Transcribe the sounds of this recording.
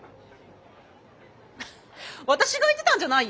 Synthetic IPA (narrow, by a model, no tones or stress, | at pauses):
βat̪aɕiɡait̪e̞t̪ãɲd͡ʑanai